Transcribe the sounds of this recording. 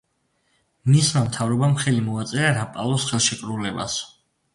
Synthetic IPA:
mismamt̪ʰavɾɔbamχɛlimɔat̪sʼɛɾaɾapʼalˠɔsχɛlˠʃɛkʼɾulɛba̰s

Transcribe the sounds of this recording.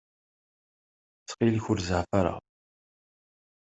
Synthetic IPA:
t͡sːqilçʊɾzəʕfaɾa̰ʁ

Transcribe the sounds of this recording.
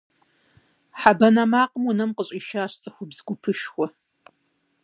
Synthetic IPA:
ħabɐnɐmaːqəmʊnɐmqəɕʼiːʃaːɕt͡sʼɨxʷʊbzɡʷʊpʰɨʃxʷɔ

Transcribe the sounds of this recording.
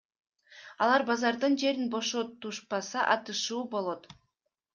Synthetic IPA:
ɑlˠɑɾbɑzɑɾd̪ɯnd͡ʒe̞ɾinbo̞ʃo̞t̪ːuʃpɑsɑʔɑt̪ɯʃuːbo̞lˠo̞t̪

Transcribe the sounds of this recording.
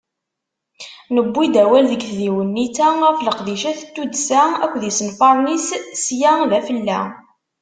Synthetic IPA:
nəbːid̪æwælðəɡθðiwənːit͡sæʁæfləqðiʃæθt̪ːud̪sæækʷːðisənfɑɾˤnissjæðæfəlːæ̰

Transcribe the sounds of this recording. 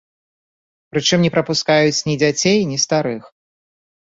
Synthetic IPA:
pɾɨt͡ʂɨmnʲɛpɾɐpuskajut͡sʲnʲid͡zʲat͡sʲejnʲist̪aɾɨx

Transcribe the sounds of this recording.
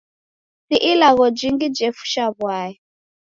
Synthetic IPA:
siʔilaɣɔd͡ʒiŋɡid͡ʒɛfu̥ʃaβwaːjɛ

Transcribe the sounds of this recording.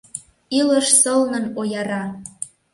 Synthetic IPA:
ilə̆ʃsɤlnə̆nojɑɾɑ

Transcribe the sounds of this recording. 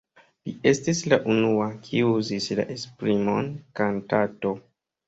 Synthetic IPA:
lie̞stislaʔunuakʰiuzisla̰ʔespɾimo̞nkantato̞

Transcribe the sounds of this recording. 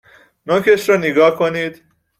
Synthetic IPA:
nocʰeʃɾɒːneɡɒːhkʰoniːd̪̥

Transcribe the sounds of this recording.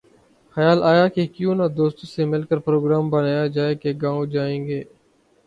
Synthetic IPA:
xəjaːlaːjaːkekjõːnad̪oːst̪ːsemɪlkəɾpɾoːɡɾaːmbənaːjaːd͡ʒaːeːkeɡãːõd͡ʒaːẽːŋɡeː

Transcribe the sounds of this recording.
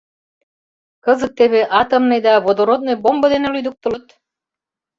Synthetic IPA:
kɤzə̆k̪̚t̪ːeβeʔɑt̪əmnejd̪ɑβod̪oɾod̪̚nojbombɤ̆d̪enelyjd̪uk̚t̪ə̆lɤt̪

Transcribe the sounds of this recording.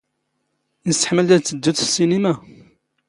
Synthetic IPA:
nəsə̥ħməlt̪æt͡sːəd̪ːuθsːinima

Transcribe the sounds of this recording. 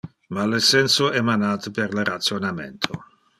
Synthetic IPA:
malesɛnsoɛmanaːt̪əperlerat̪sjonamḛnt̪ʰo

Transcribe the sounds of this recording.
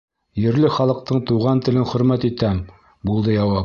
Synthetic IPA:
jɘ̆ɾlɘχɑlˠɤ̆q̚t̪ɤɴt̪uʁɑnt̪ɘ̆lɘnχɵ̆ɾmæt̪it̪æm | bulˠd̪ɤjɑwɑ

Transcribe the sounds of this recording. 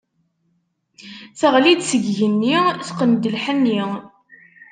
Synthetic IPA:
θəʁlid̪səɡʝənːiθqənd̪əlħənːi

